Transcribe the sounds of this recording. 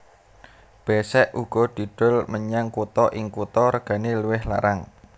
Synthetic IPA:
b̥ɛsɛʔuɡ̥ɔ̤d̪̥i̤ɖ̥ʊ̤lməɲaŋkut̪ɔʔɪŋkut̪ɔɾəɡ̥a̤niluwɪhla̰ɾaŋ

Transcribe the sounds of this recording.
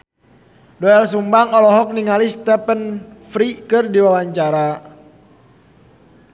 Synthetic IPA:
dɔɛlsumbaŋɔlɔɦɔk̚niŋalist̪ɛpənfɾikɨrdiwawaɲt͡ʃaɾa

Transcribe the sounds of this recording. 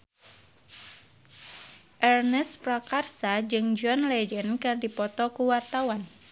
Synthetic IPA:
ʔɛrnɛspɾakarsad͡ʒɨŋd͡ʒɔnlɛd͡ʒənkɨrdipɔt̪ɔkuwart̪awan

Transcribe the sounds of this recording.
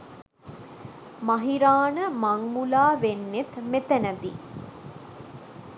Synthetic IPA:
mɐɦiɾaːnəmaŋmulaːʋenːet̪met̪ənəd̪ḭ

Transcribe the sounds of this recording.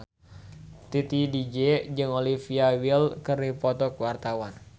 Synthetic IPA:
t̪it̪idid͡ʒɛd͡ʒɨŋolifiawilkəripɔt̪ɔkwart̪awan

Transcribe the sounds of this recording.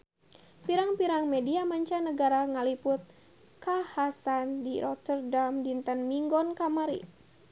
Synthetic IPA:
piɾaŋpiɾaŋmediamaɲt͡ʃanəɡaɾaŋəlipʊt̪̚ | kahasandiɾɔt̪ərdamdint̪ənmiŋɡɔnkamaɾḭ

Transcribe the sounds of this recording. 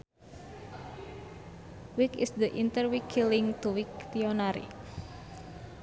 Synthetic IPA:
wikɪ̰sd̪əʔint̪ərwikʰːilɪŋt̪uwikt̪ionaɾḭ

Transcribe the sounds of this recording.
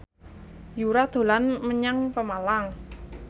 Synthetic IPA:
juɾad̪̥o̤lanməɲaŋpəmalaŋ

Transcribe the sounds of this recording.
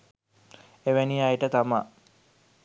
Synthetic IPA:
eʋæniajʈət̪ama

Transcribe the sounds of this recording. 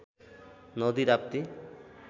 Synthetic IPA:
nɔd̪iɾap̚t̪i

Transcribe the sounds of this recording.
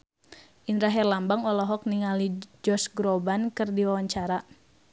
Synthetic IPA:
ʔinɾaɦɛrlambaŋɔlɔɦɔk̚niŋalid͡ʒɔsɡɾɔbankɨrdiwawaɲt͡ʃaɾa

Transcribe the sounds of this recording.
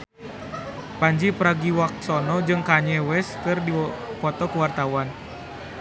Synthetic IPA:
paɲd͡ʒipɾaɡiwak̚sɔnɔd͡ʒɨŋkaɲɛwɛskɨrdifɔt̪ɔkuwart̪awan

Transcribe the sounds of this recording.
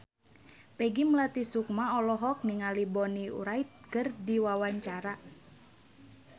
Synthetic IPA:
pɛɡiməlat̪isuk̚maɔlɔɦɔk̚niŋalibɔniṵɾait̪̚kərdiwawaɲt͡ʃaɾa

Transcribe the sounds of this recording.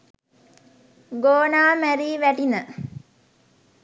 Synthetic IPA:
ɡoːnaːmæɾiːʋæʈinə

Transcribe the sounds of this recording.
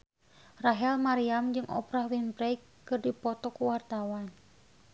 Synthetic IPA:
raɦɛlmaɾiamd͡ʒɨŋʔɔ̰pɾahwinpɾɛkː | ɨrdipɔt̪ɔkuwart̪awan

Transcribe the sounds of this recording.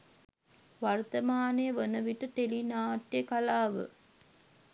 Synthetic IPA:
ʋɐrt̪ɐmaːneʋənəʋiʈət̪elinaːʈːekalaːʋə̰

